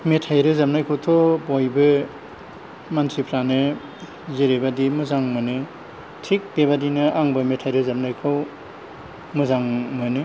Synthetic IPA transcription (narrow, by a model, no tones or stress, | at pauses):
metʰajɾɯzamnajkʰɯwtʰɔbɔjbɯ | mantʰipʰɾanɯ | zeɾebadimuzaŋmɯnɯ | tʰik̚beβadinɯʔaŋbɯmetʰajɾɯzam̚najkʰɯw | muzaŋmɯnɯ